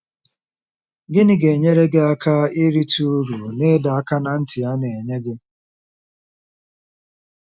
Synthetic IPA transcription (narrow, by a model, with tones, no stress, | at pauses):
ɡɪ˦nɪ˦ɡe˨ɲe˦ɾe˦ɡe˦a˦kʰa˦i˦ɾi˦tu˦ɾu˨ne˦da˨a˦ka˦na˦n̩˦tɪ˨a˦ne˨ɲe˦ɡɪ˦